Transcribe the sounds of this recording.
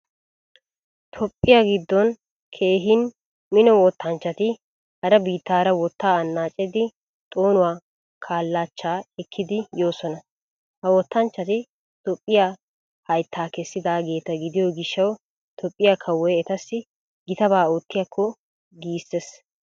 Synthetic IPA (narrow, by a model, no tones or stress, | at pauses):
t̪ʰɔpʼːɪjaːɡɪd̪ːɔn | kʰe̞ːɦɪn | mɪnɔwɔt̪ːɐnt͡ʃːɐt̪ɪ | hɐɾɐbiːt̪ːaːɾɐwɔt̪ːaːɐnːaːt͡ʃʼɪd̪ɪ | t̪ʼo̞ːnʊwaː | kʰaːlːaːt͡ʃːaːɛkʰːɪd̪ɪjo̞ːsɔnɐ | hɐwɔt̪ːɐnt͡ʃːɐt̪ɪ | t̪ɔpʼːɪja | hɐjt̪ʰːaːkɛsːɪd̪aːɡe̞ːt̪ɐɡɪd̪ɪjoɡɪʃːɐw | t̪ʰɔpʼːɪjakʰɐwːɔjɛt̪ɐsːɪ | ɡɪt̪ɐbaːot̪ːɪjɐkʰːɔ | ɡiːsːes